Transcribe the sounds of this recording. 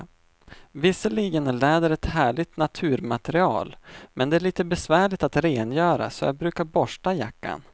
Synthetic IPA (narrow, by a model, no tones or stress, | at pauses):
vɪsːəliːɡənəlɛːd̪əɾɛt̪hæːɭɪɡ̚t̪nat̪ʰʉ̟ːɾmat̪ɛɾɪɑ̰ːlmɛnd̪ɛæɭiːt̪əbɛsvæːɭɪt̪at̪ɾeːnjœːɾa̰sɔ̰ja̰bɾʉ̟ːkaɾbɔʂʈaja̰kːa̰n